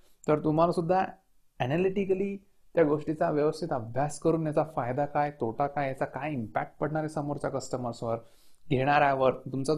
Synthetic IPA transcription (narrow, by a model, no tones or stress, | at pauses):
t̪əɾt̪um̤alasud̪ʱːa | ænaliʈikəliː | t̪jaɡoʂʈit͡saʋjəʋəst̪ʰit̪əbʱjaskəɾuːnjat͡safajd̪akajt̪ʰoʈakajjat͡sakajimpæk̚ʈ̚pəɽ̤ɳaɾesəmoɾt͡ɕjakəsʈəməɾsʋəɾ | ɡʱeɽ̃aɾjaʋəɾt̪umt͡sa